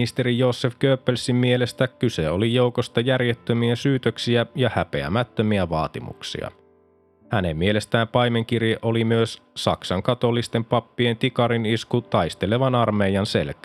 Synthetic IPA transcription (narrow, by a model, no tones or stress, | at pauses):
ist̪e̞ɾijo̞ːsːefkøːpːelsimːie̞le̞st̪ækkyse̞o̞lijo̞wko̞st̪ɑjærjet̪ːømiæsyːt̪øksiæjɑhæpe̞æ̰mæt̪ːømiæʋɑːt̪imṵksḭɑ̰ | hæne̞mːie̞le̞st̪æːmpɑjme̞ŋk̟irjeʔo̞limyøssɑ̰ksɑŋkɑt̪o̞lːist̪e̞mpɑpːie̞nt̪ikɑɾiniskut̪ɑjst̪e̞le̞ʋɑnɑrme̞ijɑnse̞̰lk